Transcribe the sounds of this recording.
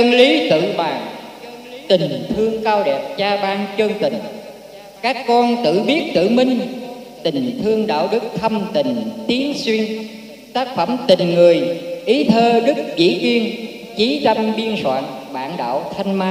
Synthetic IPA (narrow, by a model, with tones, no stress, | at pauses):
tə˧nli˨˦t̪ɨ̰˧˨ɓaː˨˩ŋ | t̪ï˨˩ŋt̪ʰɨ˧əŋkaː˧wɗɛ˨˩p̚t͡ɕaː˧ɓaː˧ŋt͡ɕəː˧ŋt̪ï˨˩ŋ̟ | kaː˦˥kːɔ˧nt̪ɨ̰˧˨ɓi˦˥ət̚t̪ɨ̰˧˨mï˧ŋ̟ | t̪ï˨˩ŋt̪ʰɨ˧əŋɗa̰ː˧˨wɗɨ˦˥k̚t̪ʰə˧ŋ͡mmt̪ï˨˩ŋ̟t̪i˨˦ənswi˧ən | t̪aː˦˥k̚fə˧˩mt̪ï˨˩ŋŋɨ˨˩əjʔi˨˦t̪ʰəː˧ɗɨ˦˥k̚zḭ˧˥zi˧ən | t͡ɕi˨˦t̪a˧mɓi˧ənswa̰ː˧˨nɓa̰ː˧˨nɗa̰ː˧˨wt̪ʰa˧jŋ̟maː˧